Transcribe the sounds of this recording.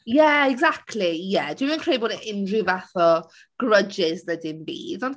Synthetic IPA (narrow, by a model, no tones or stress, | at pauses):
jɛɛɡzak̚tʰlijɛd̥wimənkʰeːlboːdɪndrɪvaθɔ | ɡ̥rəd͡ʒɪzðədɪnbḭːðɔnd